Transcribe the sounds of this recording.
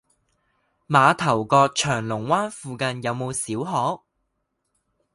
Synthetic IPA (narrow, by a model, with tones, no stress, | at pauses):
maː˨˧t̪ʰɐ˨˩wkɔː˧k̚t͡ʃʰœː˨˩ŋlʊ˨˩ŋwaː˥nfuː˧kɐ˧njɐ˨˧wmo˨˧wsiː˨˥wɦɔː˨˥k̚